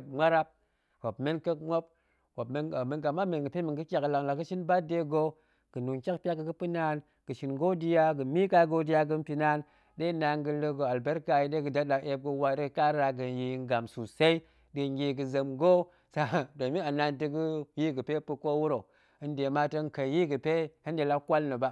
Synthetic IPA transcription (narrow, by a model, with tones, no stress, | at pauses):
p̚ŋ͡mʷa˦ɾa˦p̚ | hʷo˨bme˦nkə˦kŋ͡mʷo˦p̚ | ko˨pme˦˨me˧nɡa˨ma˦me˨nɡɨ˨pe˦mi˨ɡɨ˦kʲa˨kla˨ŋla˨ɡɨ˦ʃi˦nba˦de˧ɡo˦ | ɡ̥ɨ˨nu˨ŋkʲa˦k̚pʲa˦kːɨ˨kɨ˦pɨ˦na˧˦n | kɨ˨ʃi˧˨nɡo˦di˧ja˧ɡɨ˨mi˦ka˧ɡo˦di˦ja˧ɡɨ˧m˦pi˧na˦n | ɗe˦na˧ŋɡɨ˧lə˧ɡo˧a˨lbe˦ɾka˧ji˧˦ɗe˦ɡɨ˨da˦ɗa˨ʔe˧p̚ɡo˧wa˧ɾɡɨ˨ka˦ɾa˧ɡɨ˨ji˧˦ŋ˦ɡa˨msu˨se˦i˦ | dɨ˧ŋ˦ɡʲi˧ɡɨ˧zə˨mɡo˦ | sa˦˨do˨mi˦a˨na˧ntɨ˧ɡɨ˦ji˦ɡɨ˨pe˦pɨ˧ko˦wu˦ɾo˨ | ɨ˦n˦de˨ma˦tə˧˦ŋ̩˨kə˨ji˦ɡɨ˨pe˦he˦n˦de˨la˧kʷa˦lnə˨ba˦